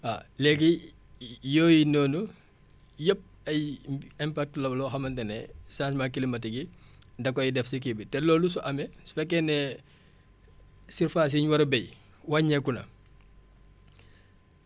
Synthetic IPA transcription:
a̰lɛki | jɔːjinɔːnu | jəp̚ | ɐjɛmpak̚tlɐbɐlɔxɐmɐntɛnɛsãːsmakilimɐtiɡi | dɐkːɔjidɛfsik̬ibitɛlɔːlus̬uʔɐmɛsfɛkːɛnɛ | siɾfaːs̬iɲwɐɾɐbɛj | waɲɛkːunɐ̰

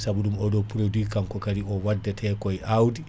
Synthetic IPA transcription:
sabuɗumɔɗɔpuɾodikaŋkɔkaɾiɔwadːɛtʰɛkɔjʔawdi

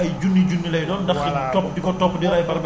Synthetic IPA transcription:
ɐjd͡ʒunːid͡ʒunːilɐjdɔdɐxintɔp̚dikɔtɔpdiɾɐjpɐɾb

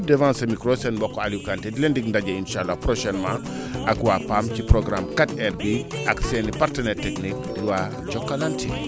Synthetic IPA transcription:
devãːnsɐmikɾosɛnbɔkːoalukantedilendiɡndaɟɐinʃalːapɾoʃɛnmã | ʔakwapamcipɾoɡɾamkatɛrbiʔaksɛnipartənɛːrtɛknik̚diwa | ɟɔkːalantʰi

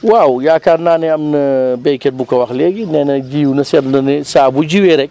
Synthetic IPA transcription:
wawjaːkaːɾnaːnɛɐmnɐbɛkɛt̚bukɐwɐxlɛːɡinɛnɐd͡ʒiːwnɐsɛɾnɐnisaːbud͡ʒiwɛɾɛk̚

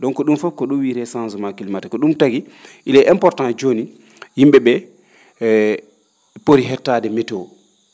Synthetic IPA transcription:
dɔnkɔɗumfɔp̚kɔɗuwiɾɛsãnsɔmakilmatakɔɗumtaɡi | ʔilɛʔɛmpɔɾtãnd͡ʒoni | jimɓɛɓɛ | poɾiɦɛtːaːdɛmɛtɔ

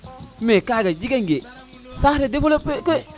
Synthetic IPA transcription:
mekaɡad͡ʒiɡeŋɡe | saɾedefolopeke

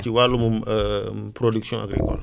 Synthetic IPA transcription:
t͡ʃiwalumum | pɾoduksjɔ̃ʔa̰ɡɾḭkɔ̰l

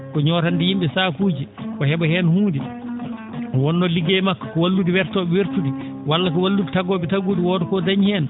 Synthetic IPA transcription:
kɔɲɔːɾandɛjimɓɛsaːkuːd͡ʒikɔhɛbɔhɛnhuːndi | wɔnːɔliɡemakːɔ̥kɔwalːudiwɛɾtɔɓɛweɾtudi | walːakɔwalːuditaɡɔːɓɛtaɡuːdiwɔdɔkɔdaɲhɛːn

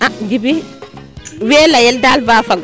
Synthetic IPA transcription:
aɡibi | wɛːlajɛldalbaːfaŋɡ

